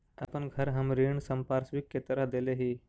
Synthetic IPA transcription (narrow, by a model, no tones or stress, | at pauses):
apəɳɡʱəɾɦəmɾiɳsəmpaɾsʋikːet̪əɾad̪eleɦiː